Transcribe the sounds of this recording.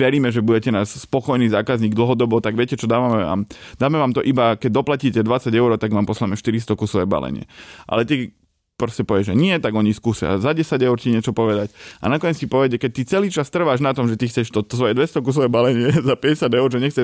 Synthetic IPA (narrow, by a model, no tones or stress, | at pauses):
ʋɛɾiːmɛʒɛbuɟɛcɛnaːsspɔkɔjniːzaːkazɲiːɡd̪l̩ɦɔd̪ɔbɔt̪aɡʋɛcɛt͡ʃɔd̪aːʋamɛa̰ːmd̪aːmɛʋaːmt̪ɔʔibakɛɟ̚d̪ɔplaciːcɛd̪ʋat͡saɟɛʊɾɔt̪aɡʋaːmpɔslamɛʃt̪iɾist̪ɔkusɔʋɛ̰ːba̰lɛ̰ɲɪɛ̰ʔa̰lɛt̪i | pɾɔscɛpɔʋɛʒɛɲɪɛt̪aɡɔɲiskuːsɪa̰zaɟɛsaɟɛʊɾciɲɪɛt͡ʃɔpɔʋɛd̪aca̰nakɔɲɛt͡scipɔʋɛc̬ɛkɛc̚t̪it͡sɛliːt͡ʃast̪r̩ʋaːʒnat̪ɔmʒɛt̪ixt͡sɛʃt̪ɔt̪ɔsʋɔjɛd̪ʋɛst̪ɔkusɔʋɛbalɛɲɪɛzapɛɟɛsɪad̪ɛʊɾʒɛɲɛxt͡sɛ